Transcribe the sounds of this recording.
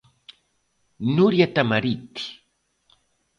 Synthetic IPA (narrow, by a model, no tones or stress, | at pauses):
nʊɾjat̪amaɾit̪i̥